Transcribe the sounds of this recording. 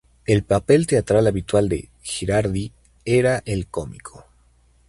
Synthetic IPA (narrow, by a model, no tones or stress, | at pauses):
elpapelt̪eat̪ɾalaβit̪wald̪e̞̰ | xeɾaɾði | eɾaʔelkomikʰo